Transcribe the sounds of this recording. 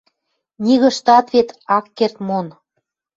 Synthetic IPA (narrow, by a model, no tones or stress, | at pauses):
nʲiɣə̆ʃt̪ɑt̪βet̪ɑkːert̪mon